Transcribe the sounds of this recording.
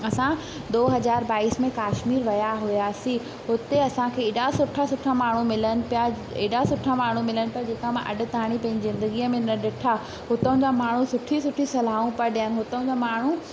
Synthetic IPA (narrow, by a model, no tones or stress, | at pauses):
ɐsã | d̪oːɦɐzaːɾbaːiːsmẽkaːʃmiːɾʋɐjaɦʊjaːsĩ | ɦʊt̪eɐsãkʰeːɪːɗasʊʈʰasʊʈʰamaːɳ̤umɪlənɪ̆pija | eːɗasʊʈʰamaːɳ̤umɪlənɪpijad͡ʑeːkamãʔɐ̰ɖʊ̆t̪aːɽ̃ipɐ̃ɦɪ̃ɲd͡ʑɪzɪ̃nd̪əɡiəmẽnɐɗɪʈʰa | ɦʊt̪əʊ̃d͡ʑamaːɳ̤ũsʊʈʰisʊʈʰisɐlaːũpɐɾɗijənɪɦʊt̪əʊ̃d͡ʑamaːɳ̤u